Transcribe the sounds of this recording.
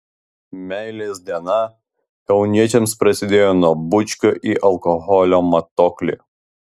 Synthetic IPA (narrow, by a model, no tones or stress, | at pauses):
mʲɛˑɪlʲeːsʲd̪ʲiɛnɐ | ɛʊnʲiɛt͡ʃʲɛmspɾɐsʲɪd̪ʲeːjoːnuɔbʊt͡ʃʲkʲoʔiʔɐlˠkɔɣɔlʲoːmɐt̪ɔklʲḭ